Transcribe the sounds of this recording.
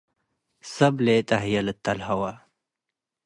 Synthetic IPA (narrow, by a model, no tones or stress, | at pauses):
sɐbleːt̪ɐɦjɐlət̪ːɐlhɐwa